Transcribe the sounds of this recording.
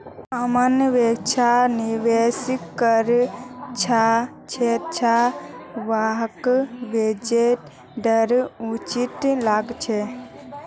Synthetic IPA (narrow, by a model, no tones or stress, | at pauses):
amənʋekt͡ʃʰaniʋesikːəɾt͡ʃʰa | t͡ʃʰett͡ʃʰaʋaɦkʋed͡ʒeʈ | ɖəɾut͡ʃit̪laɡt͡ʃʰe